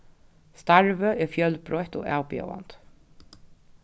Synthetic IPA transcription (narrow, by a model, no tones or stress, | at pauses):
st̪aɹvəʔɛfjœlpɾɔjht̪ʊ̰ɣa̰ːwpjɛ̰wa̰nt̪